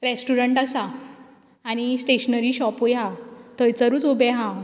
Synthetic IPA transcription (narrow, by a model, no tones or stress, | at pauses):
ɾesʈuɾəɳʈasaː | ɽ̃isʈeɕnəɾiːɕɔpojɦat̪əjt͡səɾuːt͡sobeɦã